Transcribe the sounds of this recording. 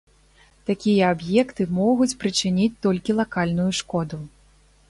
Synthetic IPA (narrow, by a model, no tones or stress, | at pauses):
t̪akʲijɐabjɛkt̪ɨmɔɣut͡sʲpɾɨt͡ʂɨnʲit͡sʲt̪ɔlʲkʲilˠakalʲnujuʂkɔd̪u